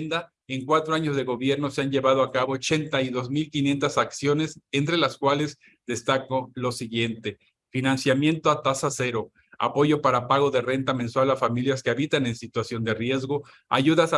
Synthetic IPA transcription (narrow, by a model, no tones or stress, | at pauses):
nd̪a | eŋkwat̪ɾoaɲo̞zðe̞ɣo̞βje̞ɾno̞seanʝe̞βað̞oakaβo̞ːt͡ʃe̞nt̪aiðo̞zmilkinje̞nt̪asaksjo̞ne̞sent̪ɾe̞laskwale̞z | d̪e̞st̪akolo̞siɣje̞nt̪e̞ | finansjamje̞nt̪o̞at̪asase̞ɾo̞ | a̰po̞ʝo̞paɾapaɣo̞ðe̞re̞nt̪amẽ̞nswalafamiljaske̞aβit̪ane̞nsit̪wasjo̞nd̪e̞rje̞zɣo̞ | a̰ʝuðas